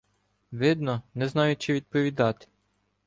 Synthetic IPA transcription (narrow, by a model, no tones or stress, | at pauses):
ʋɪd̪nɔnɛznɑjʊt͡ʃɪʋʲid̪̚pɔʋʲid̪ɑt̪ɪ̥